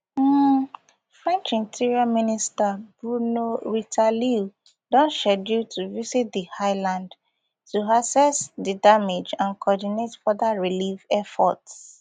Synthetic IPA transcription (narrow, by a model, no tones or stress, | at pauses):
fɹɛ̃nt͡ʃĩntʰiɹiaministabɹunoɹitʰali | dɔ̃nʃɛdjutʰuvisit̚dihaɪlãnd | tuasɛsdidamed͡ʒãnkʰɔdinetfɔðaɹilivɛfɔ̰ts